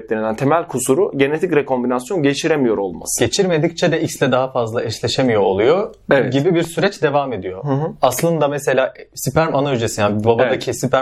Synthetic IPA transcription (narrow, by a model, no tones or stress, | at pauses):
t̪̚lʲeɾind̪ænt̪ʰe̞mælʲkʰusuɾuɟe̞ne̞t̪ʰicɾekʰo̞mbinasjo̞nɟe̞t͡ʃʰiɾemijo̞ɾo̞lˠma̰sɯɟet͡ʃʰiɾme̞d̪ic̚t͡ʃʰɛd̪ɛʔicslɛd̪aɦafazlˠaɛʃlʲeʃemijoːlˠujo | evɛɟibibiɾsyɾɛt͡ʃd̪e̞vaːme̞d̪ijohɯɦaslˠɯnd̪amese̞lʲaːsipæɾmanaød͡ʒesinjanbabaacʰisipæ